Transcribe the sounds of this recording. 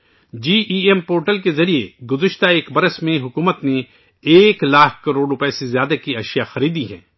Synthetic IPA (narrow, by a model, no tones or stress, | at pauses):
d͡ʒiːʔiɛmpoːɾʈəlkezɐɾieɡʊzɪʃt̪aeːkbɐɾəsmẽɦʊkuːmət̪ne | eːklaːkʰkɐɾoːɖɾʊpɛsezjaːd̪akiɐʃjaxɐɾiːd̪iɦɛ̰̃ː